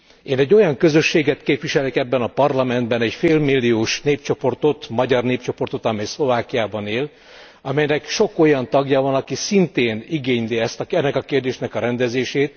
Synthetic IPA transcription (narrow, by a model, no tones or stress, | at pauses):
eːnɛɟːo̞jɒŋkøzøʃːeːɡɛt̪keːpʋiʃɛlekɛbːɛnɒpɒrlɒmɛnd̪bɛnɛcfeːlmilːijoːʃneːp̚t͡ʃo̞po̞rt̪o̞t̪mɒɟɒrneːp̚t͡ʃo̞po̞rt̪o̞t̪ɒmɛjslo̞vaːkijaːbɒneːl | ɒmɛjnɛkʃo̞ko̞jɒnt̪ɒɡjabɒnɒkisint̪eːniɡeːɲliɛst̪ɒɛnːɛkɒkeːrd̪eːʃnɛkɒɾɛnd̪ɛzeːʃeːt̪̚